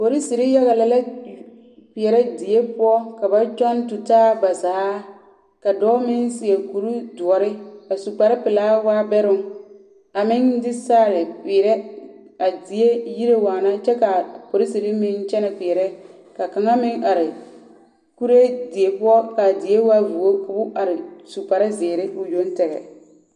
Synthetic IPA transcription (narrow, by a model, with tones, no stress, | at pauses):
po˨ɾi˦si˨ɾi˦ja˦ɣa˨la˦la˦ | ki˨ɛ˨ɾɛ˦di˨e˦pʊ˦ɔ˦ka˨ba˦t͡ʃɔ˦ntʊ˨taː˦ba˨saː˨˦ | ka˨dɔː˦mɪ˦nsɪ˨e˨ku˨ɾu˦du˨ɔ˨ɾɪ˦a˨su˨k͡pa˨ɾɪ˦pɪ˨laː˦waː˦bɛ˦ɾʊ˦ŋ | a˨mɪ˦ŋdɪ˦saː˦˨ɾɪ˨piː˨ɾɛ˦ | a˨dɪ˨e˦ji˦ɾe˦waː˨na˦t͡ʃɛ˦ka˨po˨ɾi˦si˨li˦mɪ˦nt͡ʃɛ˦nɛ˨kiː˨ɾɛ˦ | ka˨ka˨ŋa˦mɪ˦ŋa˨ɾɪ˨ | ku˦ɾe˦di˨e˨pʊ˦ɔ˦ka˨dɪ˨e˦waː˦vu˨o˦kʊ˨bʊ˦ʔa˨ɾɪ˨su˨k͡pa˨ɾa˦zɪː˨ɾɪ˦ʊ˨jo˦n˦tɛ˨ɣɛ̰˨